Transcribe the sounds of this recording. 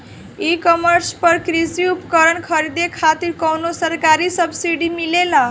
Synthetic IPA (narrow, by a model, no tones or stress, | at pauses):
ikʌmʌɾspʌɾkɾisiupkʌɾʌnkʰʌɾid̪ekʰat̪iɾkʌwnosʌɾkaɾisʌbsiɽimilela